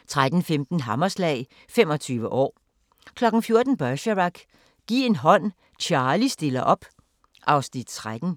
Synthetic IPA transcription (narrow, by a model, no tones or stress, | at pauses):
t͡sʰʁad̥n̩femd̥n̩ɦɑ̈mɐslɛ̰ɪ | femɒ̽t͡sʰyːʋəʔɒ̰ː | kʰlɒ̽ɡ̥n̩fjo̝ɐd̥n̩b̥ɶɕəʁɑɡ̥ | ɡ̥ḭːe̝nɦɒ̽n̰ | t͡ɕʰɑ̈ːlisd̥e̝lɐʔɒ̽b̥ | ʔɑ̈ʊsn̥id̥t͡sʰʁad̥n̩